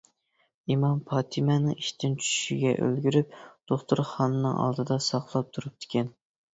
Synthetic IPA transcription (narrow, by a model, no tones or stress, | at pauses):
imɑmpʰɑːt̪ʰɨmɛnɪŋiʃt̪ʰɪnt͡ʃʰy̥ʃiɡʲɛ̰ʔø̰lɡʲyɾyp̚d̪̥oχt̪uɾχɑːnɨnɨŋɑ̰lˠd̪ɨd̪ɑsɑχlˠɑp̚t̪ʰuɾup̚d̪̥ɪ̥kʲʰɛn